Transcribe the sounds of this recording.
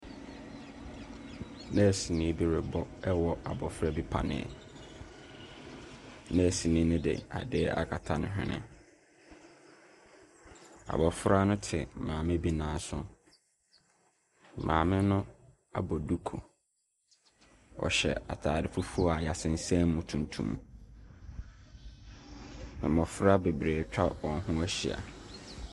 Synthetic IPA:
nɛ̃˦˨si˨nĩ˦bi˦ɾe˨bɔ˦ɛ˦wɔ˨a˨bɔ˨fɾa˦bi˦pʰa̰˨nɪ̰̃˦˨ɛ̰˨ | nã˦˨si˨nĩ˦nʊ̃˦dɪ̰˨a̰˨dɪ˦ɛ˦ʔa̰˦kʰa˨tʰa˨nʊ̃˨ɦᶣɪ̰̃˦nɪ̰̃˦ | a̰˨bɔ˨fʊ˦ɾa˦nʊ̃˦tʰɪ˨mãː˨mɪ̃˦bi˦nãː˨˦sʊ˦ | mʔã̰ː˨mɪ̃˦nʊ̃˦ | a̰˨bɔ˨du˦kʰo˨ | ɔ̰˨ɕɛ˨a˨tʰaː˨dɪ˨fu˦fu˦ɔ˦a˨ja˨sɪ̃˨n̩˨sɛ̃˦mʊ̃˨tʰũ˨ntʰṵ̃˦m | mɪ̰̃˨mɔ˨fʊ˦ɾa˦be˨bɾeː˨t͡ɕᶣa˦wɔ̃˨n˦ɦʊ̃˦æ˦ɕi˨a̰˨

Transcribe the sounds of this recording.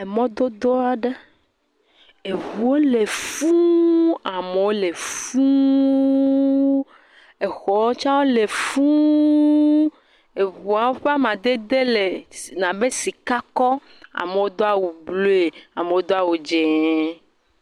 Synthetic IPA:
e˨mɔ̃˦d̪o˦d̪o˦a˨ɖe˦ | e˨vu˨wo˦le˨fũ˦a˨me˨wo˦le˨fũ˦ | e˨xɔ˨wo˦t͡ʃa˦wo˦le˨fũ˦ | e˨βu˨a˨wo˦ɸe˦a˦mã˨d̪e˦d̪e˦le˨nã˨be˦si˨ka˦kɔ˦ | a̰˨me˨wo˦d̪o˦a˦wu˨blo˦e˨a˨me˨wo˦d̪o˦a˦wu˨d͡ʒɛ˨

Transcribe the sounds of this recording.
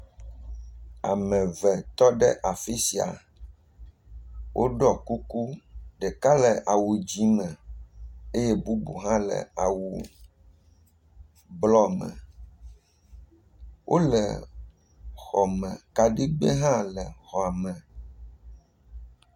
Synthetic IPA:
a̰˨mɛ̃˨vɛ˨t̪ɔ˦ɖɛ˦ʔa˨fi˦si˨a̰˨ | wʔo̰˦ɖɔ˨ku˦ku˦ɖɛ˨ka˦lɛ˨ʔa˨wu˨d͡ʑi˦mɛ̃˨ | e˦jɛ˦bu˦bṵ˨ɦã˦lɛ̰˨a˨wu˨ | blɔ˦mɛ̰̃˨ | wʔo˦lɛ̰˨ | xɔ˨mɛ̃˨ka˨ɖi˦ɡ͡be˦ɦã˦lɛ˨xɔ˨a˨mɛ̃˨

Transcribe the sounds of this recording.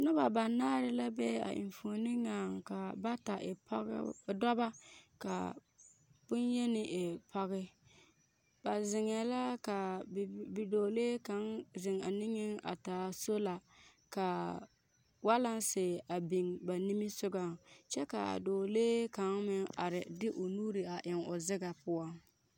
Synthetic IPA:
nʊ˦ba˨ba˨naː˦ɾɪ˦la˦bɛ˦a̰˨ʔɪ̰˨ɱfuː˨nɪ˦ŋaː˨ŋka˨ba˦ta˨ʔɪ˨pdɔ˦ba˦ka̰˨ | bʊ˦njɛ˦nɪ˨ʔe˨pa˦ɣɪ˦ | b̥a˨zɪ˨ŋ˦ɛ˨la˦ka˨ | i˨doː˨leː˦ka˨˦ŋzɪ˨ŋa˨nɪ˦ŋɪ˦ŋa̰˨taː˨so˦la˨ | ka˨ | wa˦la˦nsɪː˨a˨bi˨ŋba˨ni˦mi˦sʊ˦ɡa˦t͡ʃɛ˦ka̰˨doː˨leː˦ka˨˦ŋmɪ˦ŋa̰˨ɾɪ˨dɪ˦ʔʊ˨nuː˦ɾi˨a˨ʔɪ˨ŋʊ˨zɪ˦ɡa˨pʊ˦a˦ŋ

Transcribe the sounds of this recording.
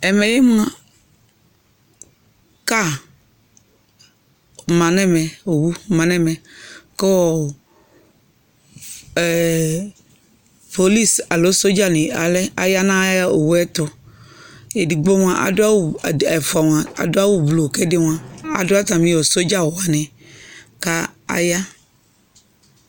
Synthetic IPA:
ɛ˨mẽ˨le˦mũ˦ã˦ | ka˦˨ | mã˨nɛ̃˦mɛ̃˨o˨wu˦mã˨nɛ̃˦mɛ̃˨ke˦wɔ˦˨ | po˨li˦sa˨lo˨˦so˦d͡ʒa˦nĩ˨a˨lɛ˦a˨ja˦nã˦ja˦o˨wu˦ɛ˦t̪o˦ | e˨di˨ɡ͡bo˦ŋ˦ã˦ʔa̰˨do˦a˦wu˦˨e˨fɔ˨wã˨a̰˨do˦a˦wu˦blo˨kɛ˦de˦ŋ˦ã˨a̰˨do˦a˦t̪ã˨mĩ˦o˨so˦d͡ʒa˦wo˨a˨nɛ̃˨ | ka˦a̰˨ja˦

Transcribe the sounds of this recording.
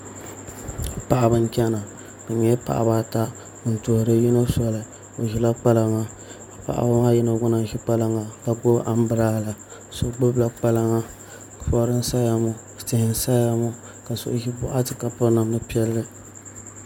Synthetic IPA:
pa˨ʔa˨bɨ˦ŋ˦t͡ʃʲɛ˦na˨ | ka˨ɲɛ˦pa̰˨ʔa̰˨ba˦ta˦ | ɨ˨n˨to˨hʊ˨ɾɨ˦ji˦no˦sɔ˦lɨ˨ | o˨ʒi˨la˦k͡pa˦la˦ŋa˨ | pa̰˨ʔa̰˨ba˦ŋa˦ji˦na˨ɡʊ˦na˨n˦ʒi˦k͡pa˦la˦ŋa˨ka˨ɡo˦ʔa˦m˦bɨ˦ɾa˦˨la˨so˨˦ɡ͡bʊ˦bla˦k͡pa˦la˦ŋa˦˨ | fɔ˦ɾɨ˦n˦sa˦ja˦mʊ˦˨tɪ˨hɪ˨n˦sa˦ja˦mʊ˦ | ka˨so̰˨ʔʒi˦bʊ˦ʔa˦tɨ˨ka˨pɨ˦na˨mɨ˦pi˦ɛ˦lːɨ˦

